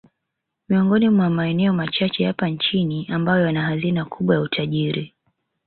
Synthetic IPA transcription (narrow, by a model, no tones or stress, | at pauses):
miɔŋɡɔnimwamaɛnɛɔmat͡ʃat͡ʃɛhapant͡ʃiniʔambajɔjanaɦazinakʰuɓwajautʰaʄiɾi